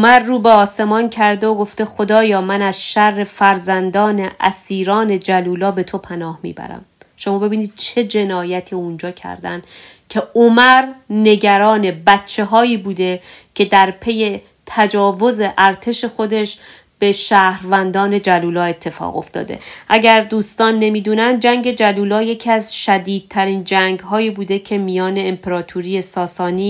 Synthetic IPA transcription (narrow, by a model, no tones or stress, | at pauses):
omæɾːuːbeɒːse̞mɒːncʰæɾd̪eoɡo̞ft̪e̞xo̞d̪ɒːjɒːmænæz̥ʃærːe̞fæɾzænd̪ɒːne̞ʔæsiːɾɒːne̞d͡ʒæluːlɒːbe̞t̪ʰo̞pʰænɒːhmḭːbæ̰ɾæ̰m | ʃo̞mɒːbe̞biːniːd̪̥̚t͡ʃʰe̞d͡ʒe̞nɒːjæt̪ʰiːund͡ʒɒːcʰæ̰ɾd̪æ̰nd̪ | cʰe̞omæɾne̞ɟæɾɒːne̞bæt̪t͡ʃʰːe̞ɦɒːiːbuːd̪e̞cʰe̞d̪æɾpʰe̞je̞ | t̪ʰæd͡ʒɒːvo̞ze̞ʔæɾt̪ʰe̞ʃe̞xo̞d̪e̞ʃ | b̥e̞ʃæːhɾvænd̪ɒːne̞d͡ʒæluːlɒːe̞t̪ʰːe̞fɒ̰ːɣo̞̰ft̪ɒ̰ːd̪e̞̰ʔæɟæɾd̪uːst̪ɒːnːe̞miːd̪uːnænd̪̚d͡ʒæŋɟe̞d͡ʒæluːlɒːje̞cʰiæzʃæd̪iːd̪̚t̪ʰæɾiːnd͡ʒæŋɡɦɒːiːbuːd̪e̞cʰe̞mijɒːne̞ːmpʰeɾɒːt̪ʰuɾije̞sɒːsɒːniː